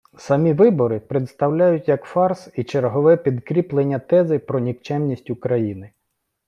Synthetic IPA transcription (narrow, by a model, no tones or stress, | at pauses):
sɐmʲiʋɪbɔɾɪpɾet̪st̪ɐwlʲajʊtʲjɐkfɑrsit͡ʃeɾɦɔʋɛpʲid̪kɾʲiplˠenʲːɐt̪ɛzɪpɾɔnʲikt͡ʃɛmnʲisʲtʲʊkɾɐjinɪ